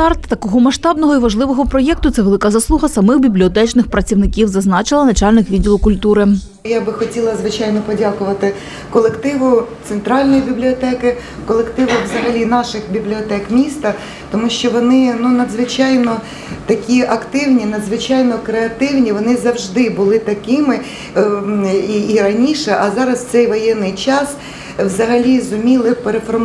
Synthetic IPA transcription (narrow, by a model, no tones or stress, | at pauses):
ɑrt̪t̪ɐkɔɦɔmɐʃt̪ɑbnɔɦɔiʋɐʒlˠɪʋɔɦɔpɾɔjɛk̚t̪ʊt̪sɛʋelˠɪkɐzɐslˠuɦɐsɐmɪxbʲiblʲiɔt̪ɛt͡ʃnɪxpɾɐt͡sʲiwnɪkʲiwzɐznɑt͡ʃɪlˠɐnɐt͡ʃɑlʲnɪxʋʲidʲilˠʊkʊlʲt̪uɾɪ | jabɪxɔtʲilˠɐzʋɪt͡ʃɑjnɔpɔdʲakʊʋɐt̪ɪ | kɔlˠekt̪ɪʋʊt̪sent̪ɾɑlʲnɔjibʲiblʲiɔt̪ɛkɪ | kɔlˠekt̪ɪʋʊʋzɐɦɐlʲinɑʃɪxbʲiblʲiɔt̪ɛkmʲist̪ɐ | t̪ɔmuʃt͡ʃɔʋɔnɪnunɐd̪zʋɪt͡ʃɑjnɔ | t̪ɐkʲiʔɐkt̪ɪwnʲinɐd̪zʋɪt͡ʃɑjnɔkɾeɐt̪ɪwnʲiʋɔnɪzɐwʒd̪ɪbʊlˠɪt̪ɐkɪmɪ | iːɾɐnʲiʃɛʔɐzɑɾɐstsɛjʋɔjɛnːɪjt͡ʃɑs | wzɐɦɐlʲizʊmʲilˠɪpeɾefɔrm